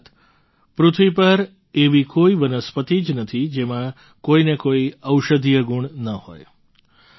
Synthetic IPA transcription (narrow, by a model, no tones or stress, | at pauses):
t̪ | pɾʊt̪ʰʋipəɾ | eʋikoiʋənəspət̪id͡ʒnət̪ʰid͡ʒemã | koinekoiəwʃəd̪ʱijəɡuɳnəho̰j